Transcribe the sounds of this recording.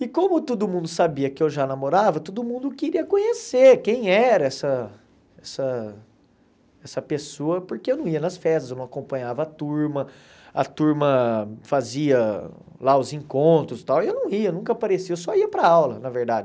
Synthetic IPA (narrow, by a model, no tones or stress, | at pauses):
ɪkõmʊt̪od̪ʊmũnd̪ʊsabiɐkɪewʒanamoɾavɐt̪od̪ʊmũnd̪ʊkeɾiɐkõɲeseɾkẽj̃ɛɾɐɛsɐ | ɛsɐ | ɛsɐpesoɐpoɾkeewnɐ̃w̃iɐnɐsfɛst̪ɐzewnɐ̃w̃akõmpɐ̃ɲavɐat̪uɾmɐ | ɐ̰t̪uɾmɐfaziɐ | laʊzẽkõnt̪ɾʊst̪awɪewnɐ̃w̃iɐnũkɐapaɾesiɐewsɔiɐpɾɐawlɐnɐveɾd̪ad͡ʒɪ